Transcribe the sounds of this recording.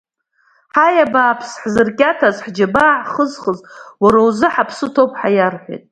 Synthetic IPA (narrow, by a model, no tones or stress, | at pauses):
ħajabaːpʰsħzɨrkʲʼatʰazħd͡ʒabaʕχəzχəzwaɾawzɨħapʰsɨtʰopʼħajarħʷḛjtʼ